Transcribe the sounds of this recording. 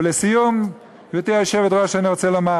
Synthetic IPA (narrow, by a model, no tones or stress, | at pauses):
lesijom | vet̪iaʃevet̪ʁaʃeaniʁot͡selama